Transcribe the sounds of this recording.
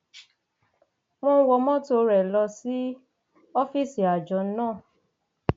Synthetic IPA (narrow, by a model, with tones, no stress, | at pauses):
w̃ɔ̃˧˦wɔ˧mɔ̃˦to˧ɾɛ˨lɔ˧si˦ | ɔ˦fi˦˨si˨a˨d͡ʒɔ˨˦nãː˦˨